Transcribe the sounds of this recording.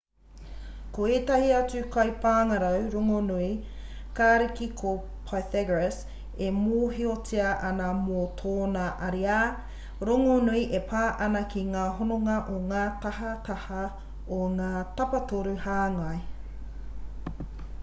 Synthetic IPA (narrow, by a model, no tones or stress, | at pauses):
koeːt̪ɐhiɐt͡sʉkʰɐjpaːŋɐɾɐwɾoŋonui | kaːɾikikʰo | pʰaθɛɡɹes | emoːɦiot͡siɐʔɐnɐmotʰoːnɐʔɐɾiaː | ɾoŋonuiʔepʰaːʔɐnɐkʰiŋaːɦonoŋɐʔoŋaːt̪ɐɦɐt̪ɐhɐ | oŋaːt̪ɐpɐtoɾuhaːŋɐj